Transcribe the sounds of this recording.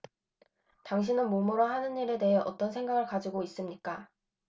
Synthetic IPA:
taŋɕ̬ʰinɯnmomuɾoɦanɯnːiɾe̞te̞ɦe̞ʔʌt͈ʌnsʰe̞ŋɡaɡɯɭkad͡ʑiɡois͈ɯmɲik͈a

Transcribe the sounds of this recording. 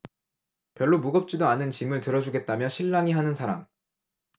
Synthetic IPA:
pjʌɭːomuɡʌp̚t͡ɕ͈idoanɯnt͡ɕimɯɭtɯɾʌd͡ʑuɡe̞t̚t͈amjʌɕʰiɭːaŋiɦanɯnsʰaɾa̰ŋ

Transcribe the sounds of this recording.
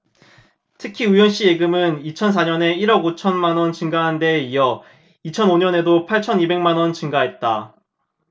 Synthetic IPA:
tʰɯkʰiujʌnɕ͈ije̞ɡɯmɯnit͡ɕʰʌns̬ʰaɲʌne̞iɾʌɡot͡ɕʰʌnmanwʌnt͡ɕɯŋɡaɦande̞ijʌ | it͡ɕʰʌnoɲʌne̞dopʰaɭt͡ɕʰʌnibe̞ŋmanwʌnt͡ɕɯŋɡaɦe̞t̚t͈a

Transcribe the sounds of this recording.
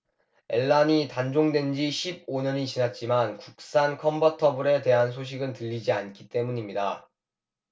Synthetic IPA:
e̞ɭːaɲitand͡ʑoŋdwe̞nd͡ʑiɕʰib̚oɲʌɲit͡ɕinat̚t͡ɕ͈imankuk̚s͈ankʰʌmbʌtʰʌbuɾe̞te̞ɦans̬ʰoɕ̬ʰiɡɯntɯʎːid͡ʑiankʰi̥t͈e̞muɲimɲida

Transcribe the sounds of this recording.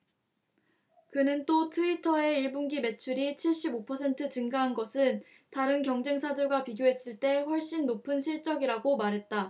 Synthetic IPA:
kɯnɯnt͈otʰɯitʰʌe̞iɭbunɡime̞t͡ɕʰuɾit͡ɕʰiɭɕ͈ibopʰʌsʰe̞ntʰɯt͡ɕɯŋɡaɦanɡʌsʰɯn | taɾɯnkjʌŋd͡ʑe̞ŋsʰadɯɭɡwapiɡjoɦe̞s͈ɯɭt͈e̞ɸwʌɭɕ͈inːopʰɯnɕʰiɭt͡ɕ͈ʌɡiɾaɡomaɾɦe̞t̚t͈a

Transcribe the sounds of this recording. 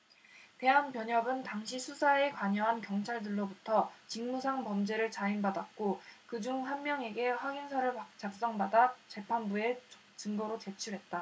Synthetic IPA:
te̞ɦanpjʌɲʌɡɯntaŋɕʰisʰusʰae̞kwaɲʌɦankjʌŋt͡ɕʰaɭdɯɭːobutʰʌt͡ɕiŋmusʰaŋpʌmd͡ʑe̞ɾɯɭt͡ɕainbadak̚k͈okɯd͡ʑuŋɸwanmjʌŋe̞ɡe̞ɸwaɡinsʰaɾɯɭat͡ɕak̚s͈ʌŋbadat͡ɕe̞pʰanbue̞ | t͡ɕɯŋɡʌɾot͡ɕe̞t͡ɕʰuɾɦe̞t̚t͈a

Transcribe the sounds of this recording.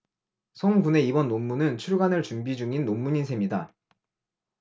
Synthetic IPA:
sʰʌŋbune̞ibʌnːomːunɯnt͡ɕʰuɭɡanɯɭt͡ɕumbid͡ʑuŋinːomːuɲinsʰe̞mɲida

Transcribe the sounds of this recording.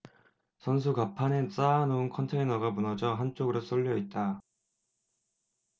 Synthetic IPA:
sʰʌns̬ʰukapʰanes͈anounkʰʌntʰe̞inʌɡamunʌd͡ʑʌɦant͡ɕ͈oɡɯɾos͈oɭʎːʌit̚t͈a

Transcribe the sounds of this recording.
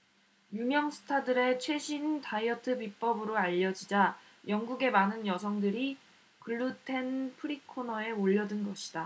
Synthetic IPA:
jumjʌŋsʰɯ̥tʰadɯɾe̞t͡ɕʰwe̞ɕʰintʰaiʌtʰɯpip͈ʌbɯɾoaʎːʌd͡ʑid͡ʑa | jʌŋɡuɡe̞manɯnjʌsʰʌŋdɯɾi | kɯɭːutʰe̞npʰɯɾikʰonʌe̞oʎːʌdɯnɡʌɕʰi̥d̥a

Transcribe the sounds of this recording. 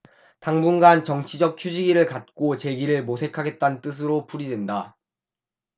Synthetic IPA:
taŋbunɡant͡ɕʌŋt͡ɕʰid͡ʑʌk̚kʰjud͡ʑiɡiɾɯɭkat̚k͈ot͡ɕe̞ɡiɾɯɭmosʰe̞kʰaɡe̞t̚t͈ant͈ɯs̬ʰɯɾopuɾidwe̞nda

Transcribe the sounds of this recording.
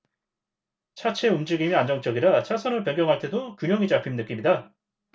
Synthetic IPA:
t͡ɕʰat͡ɕʰe̞umd͡ʑiɡimiand͡ʑʌŋt͡ɕ͈ʌɡiɾat͡ɕʰasʰʌnɯɭpjʌŋɡjʌŋɦaɭt͈ʰe̞dokjuɲjʌŋid͡ʑapʰimnɯk͈imɲida

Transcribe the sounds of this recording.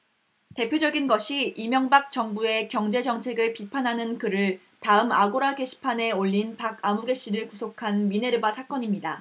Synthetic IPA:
te̞pʰjod͡ʑʌɡinɡʌɕʰiimjʌŋbak̚t͡ɕʌŋbue̞kjʌŋd͡ʑe̞d͡ʑʌŋt͡ɕʰe̞ɡɯɭpipʰanɦanɯnkɯɾɯɭ | taɯmaɡoɾake̞ɕʰi̥pʰane̞oʎːinpaɡamuɡe̞ɕ͈iɾɯɭkusʰokʰanmine̞ɾɯbasʰak͈ʌɲimɲida

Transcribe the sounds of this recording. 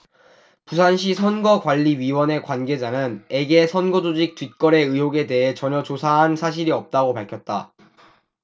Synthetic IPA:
pus̬ʰanɕ̬ʰisʰʌnɡʌkwaʎːiɥiwʌne̞kwanɡe̞d͡ʑanɯne̞ɡe̞sʰʌnɡʌd͡ʑod͡ʑik̚tɥit̚k͈ʌɾe̞ɯɦjoɡe̞de̞ɦe̞t͡ɕʌɲjʌt͡ɕosʰaɦansʰaɕ̬ʰiɾiʌp̚t͈aɡopaɭkʰjʌt̚t͈a̰

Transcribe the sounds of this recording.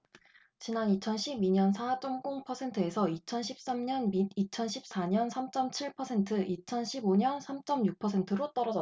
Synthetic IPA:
t͡ɕinanit͡ɕʰʌnɕʰibiɲʌnsʰad͡ʑ͈omk͈oŋpʰʌsʰe̞ntʰɯe̞sʰʌit͡ɕʰʌnɕʰip̚s͈amɲʌnmidit͡ɕʰʌnɕʰip̚s͈aɲʌnsʰamt͡ɕ͈ʌmt͡ɕʰiɭpʰʌsʰe̞ntʰɯʔit͡ɕʰʌnɕʰiboɲʌnsʰamt͡ɕ͈ʌmjuk̚pʰʌsʰe̞ntʰɯɾot͈ʌɾʌd͡ʑʌ

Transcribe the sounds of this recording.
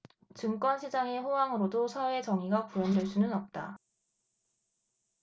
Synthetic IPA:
t͡ɕɯŋk͈wʌnɕʰid͡ʑaŋe̞ɸowaŋɯɾodosʰawe̞t͡ɕʌŋiɡakujʌndwe̞ɭs͈unɯnʌp̚t͈a̰

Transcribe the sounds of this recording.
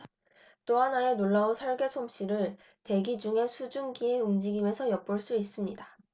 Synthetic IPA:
t͈oɦanaenoɭːaonsʰʌɭɡe̞sʰomɕ͈iɾɯɭ | te̞ɡid͡ʑuŋe̞sʰud͡ʑunɡie̞umd͡ʑiɡime̞sʰʌjʌp̚p͈uɭs͈uis͈ɯmɲida

